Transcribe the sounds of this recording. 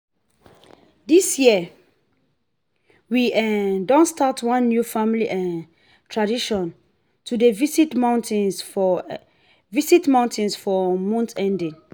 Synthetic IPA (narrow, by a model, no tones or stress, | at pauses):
disjiə | wiɛdɔ̃nstatʰwãnːjufãmliʔɛ | tʰɹadiʃɔ̃n | tʰudəvisitmãʊ̃ntĩn | visitmãʊ̃ntʰɛ̃nsfɔmɔ̃ntɛ̃ndĩn